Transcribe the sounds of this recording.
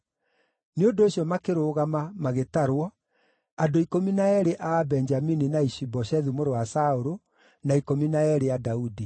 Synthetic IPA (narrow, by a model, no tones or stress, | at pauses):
neondoːɕjɔmakeɾoːɣamamaɣetaɾwɔ | andoikominaɛɾeʔabɛnd͡ʒamininaiʃibɔʃɛðumoɾowasaoɾo | naikominaɛɾejadaudi